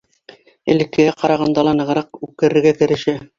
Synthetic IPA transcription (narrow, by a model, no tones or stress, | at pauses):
ɘ̆lɘ̆kːɘ̆jæqɑɾɑʁɑnd̪ɑlˠɑnɤ̆ʁɤ̆ɾɑq̚ʉkɘ̆ɾɘ̆ɾɡæk̪ɘ̆ɾɘ̆ʃɘ